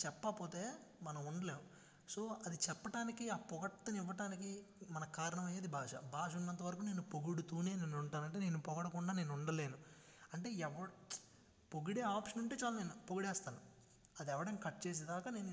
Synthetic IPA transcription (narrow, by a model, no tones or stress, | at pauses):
t͡ʃɛpːɐpo̞ːt̪e̞ːmɐnɐmuɳɖɐle̞ːu | so̞ːɐd̪it͡ʃɛpːɐʈaːnikiaːpɔɡɐʈt̪ɐniʋːɐʈaːnikimɐnɐkaːɾɐɳɐmɐjeːd̪ibʱaːʂɐ̰bʱaːʂ̬ɐunːɐnt̪̬ɐʋɐɾɐkuːneːnupoɡuɽut̪uːneːneːnuɳʈaːnɐɳʈe̞ːne̞ːnupɔɡɐɽɐkuɳɖaːne̞ːnuɳɖɐle̞ːnu | ɐɳʈe̞ːɛʋɐɽ | poɡuɽeːaːpʂɐnuɳʈeːt͡ʃaːlane̞ːnupoɡuɽɛːst̪aːnu | ɐd̪ɛʋɐɽɐmkɐʈ̚t͡ʃe̞ːs̬id̪aːkane̞ːn